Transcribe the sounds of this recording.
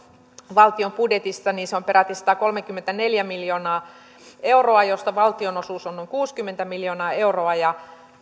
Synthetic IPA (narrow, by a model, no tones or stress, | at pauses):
ʋɑlt̪iompudjet̪ist̪ɑniːnseompeɾæt̪isɑt̪ɑkolmekːymːent̪æneljæmiljoːnɑː | euroɑjost̪ɑʋɑlt̪ionosuːsonoiŋkuːskymːent̪æmiljoːnɑːeuroɑjɑ